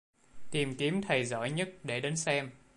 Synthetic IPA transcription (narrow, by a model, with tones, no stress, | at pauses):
t̪i˨˩mki˨˦əmt̪ʰə˨˩jzɔ̰˧˩jɲə˦˥t̚ɗe˧˩ɗe˨˦nsɛ˧m